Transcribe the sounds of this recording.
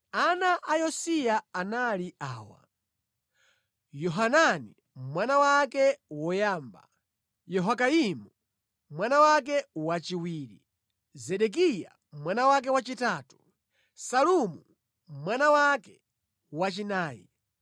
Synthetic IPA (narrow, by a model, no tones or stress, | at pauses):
anaʔajɔsijaanaliaːwa̰ | jɔɦanani | mwanawakɛwɔjaːmba̰ | jɔɦakaimu | mwanawak̬ɛwat͡ʃiwiːɾḭ | zɛɗɛk̬ija̰ | mwanawak̬ɛwat͡ʃitaːtu̥ | salumu | mwanawakɛ | wat͡ʃinaːjḭ